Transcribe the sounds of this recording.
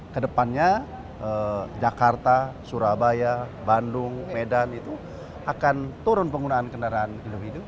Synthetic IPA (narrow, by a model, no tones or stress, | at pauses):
kədəpanɲa | ʔəd͡ʒakart̪asuɾabajabandʊŋmedanit̪u | akant̪uɾʊnpəŋɡunaːnkəndaɾaːnindifidu